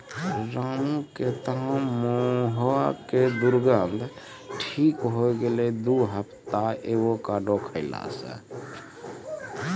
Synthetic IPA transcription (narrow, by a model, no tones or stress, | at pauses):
ɾaũket̪əɦãmoɦoaked̪uɾɡənd̪ʱ | ʈʰikɦojɡelɛd̪uɦəpʰt̪aeʋokaɖokʰəɪla̰sə̰